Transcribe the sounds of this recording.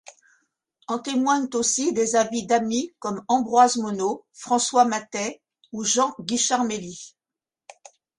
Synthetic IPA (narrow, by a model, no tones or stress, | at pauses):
ɔ̃t̪emwaɲt̪osid̪ezavid̪amikɔmɑ̃bʁwazmɔnofχɑ̃swamat̪ɛ | uʒɑ̃ɡʲiʃaʁmeli